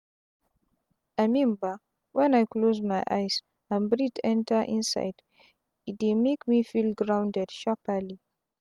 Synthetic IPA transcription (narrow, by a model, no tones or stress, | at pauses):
amĩmbə | wɛ̃najklozmajʔa̰js | ãnbɹitɛ̃ntʰə˞ʔḭ̃nsa̰ɪd | it̚dimekmifilɡɹãw̃ndɛd̥ʃapəli